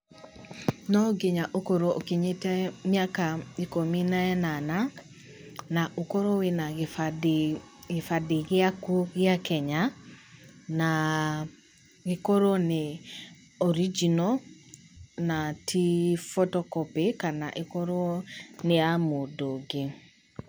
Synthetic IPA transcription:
nɔɡeɲaʔokoɾoʔokeɲetɛmjakaikominaɛnana | naʔokoɾowenaɣ | ɣefadeɣeakoɣjakɛɲa | na | ɣekoɾone | ɔɾid͡ʒinɔ | natʰifotɔkɔpekanaʔekoɾɔneamodoɡe

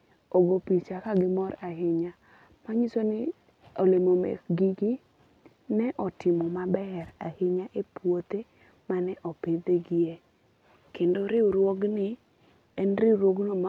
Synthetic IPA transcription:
oɡopit͡ʃakaɡɪmɔɾaɦɪɲa | maɲisonɪ | olemomɛ̰ɡiɡi | nɛʔɔtɪmɔmabɛrahɪɲaʔepwot̪e | manɛʔɔpɪd̪eɡɪje | kendoɾɪɾwɔɡnɪ | ɛnɾiɾwoɡnoma

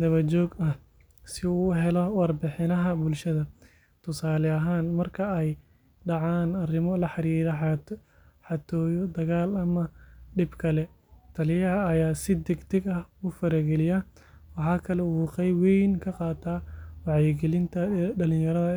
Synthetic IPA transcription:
d̪ɐβɐt͡ʃɔːɡɐh | sɪuːɦɛlɔwɑrbɪħɪnɐɦɐbʊlʃɐðɐ | t̪ʰʊsaːlɛɐɦaːnmɐrkʰɐɛj | ɖɑʕaːnɐrɪmɔlɐħɑɾiːɾɐ | ħɑt̪ʰɔːjɔd̪ɐɣaːlɐmɐɖɪbkʰɐlɛ | t̪ʰɐlɪjɐɦɐːjaːsɪd̪ɛɡt̪ʰɛɡɐhufɐɾɐɡɛlɪjɐ | wɑħɑːkʰɐlɛuːqɛjwɛjnkʰɐqɑːt̪ʰaːwɑʕjɛɡɛlɪnt̪ʰɐɖɐlɪ̃jɐɾɐðɐ

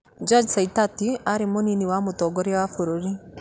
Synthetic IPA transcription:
d͡ʒɔd͡ʒsaitatiaɾemoniniwamotɔɡɔɾewafoɾoɾi

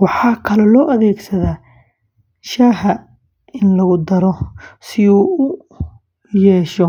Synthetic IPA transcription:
wɑħɑːkʰɐlɛlɔːʔɐðɛːɡsɐðaː | ʃaːɦɐ | ɪnlɐɣʊd̪ɐɾɔsɪuːʊ | jɛːʃɔ

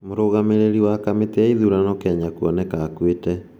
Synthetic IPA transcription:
moɾoɣameɾeɾiwakameteɛiðuɾanɔkɛɲakuɔnɛkaːkwetɛ

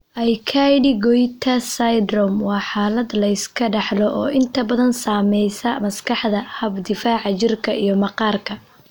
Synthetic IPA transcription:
ʔɐjkʰajɖɪɡɔjt̪ʰɐsɐjd̪ɾɔmwɑːħaːlɐd̪lɐɪskʰɐɖɑħlɔʔɔːʔɪnt̪ʰɐbɐðɐnsaːmɛjsɐmɐskʰɑħd̪ɐhɐbd̪ɪfaːʕɑt͡ʃɪrkʰɐʔijɞmɐqɑːrkʰɐ

